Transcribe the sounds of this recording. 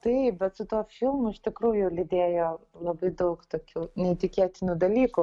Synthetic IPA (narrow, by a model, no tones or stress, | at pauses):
t̪ɨbʲɛtt͡s̪ʊt̪uɔfʲilˠmʊʃt̪ʲɪkɾujʊlʲɪd̪ʲeːjɔlˠɐbɐɪd̪ɐʊkt̪okʲunʲɛit̪ʲɪkʲeɛt̪ʲɪnʲʊd̪ɐlʲiːkʊ